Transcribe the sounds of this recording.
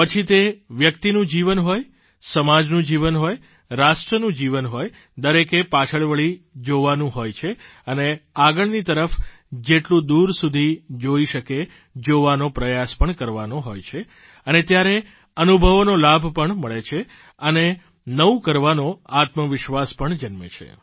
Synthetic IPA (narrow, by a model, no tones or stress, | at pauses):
pət͡ʃʰit̪eʋjəkt̪inũd͡ʒiʋənɦoj | səmad͡ʒnũd͡ʒiʋənɦoj | ɾaʃʈɾənũd͡ʒiʋənɦoj | d̪əɾekepat͡ʃʰəɭʋəɭid͡ʒoʋanũɦojt͡ʃʰeəneaɡəɭnit̪əɾəfd͡ʒeʈlũd̪uɾsud̪ʱid͡ʒoiʃəke | d͡ʒoʋanopɾəjaspəɳkəɾʋanoɦojt͡ʃʰe | ənet̪jaɾe | ənubʱəʋnolabʱpəɳməɭet͡ʃʰe | əne | nəũkəɾʋanoat̪məʋɪʃʋaspəɳd͡ʒənmə̰t͡ʃʰḛ